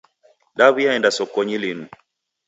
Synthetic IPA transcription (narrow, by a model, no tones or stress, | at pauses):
ɗaβuaɛndasɔkɔɲilinu